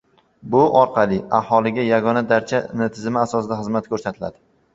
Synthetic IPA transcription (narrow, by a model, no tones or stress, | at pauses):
bʊʔɒɾqʰɑlɪahɒlˠɪɡʲajaɡɒnad̪aɾt͡ʃʰanɪt̪ʰɪzɪmɪasɒsɪd̪aχɨzmat̪kʰɵɾsat̪ʰɪla̰d̪ɪ